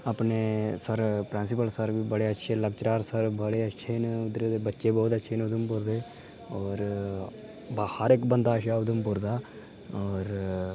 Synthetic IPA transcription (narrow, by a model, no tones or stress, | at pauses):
əːpneːsəɾpɾẽːnsɪpəlsəɾʋiːbəɽeːətːʃʰeːləkt͡ʃɾaːɾsəɾbəɽeːətːʃʰeːnʊd̪ɾeːd̪eːbətːʃeːbɔːt̪ətːʃʰeːnʊd̪əmpʊɾd̪eː | ɔːɾ | bhəɾɪkbənd̪aːʃaːʊd̪əmpʊɾd̪aː | ɔːɾ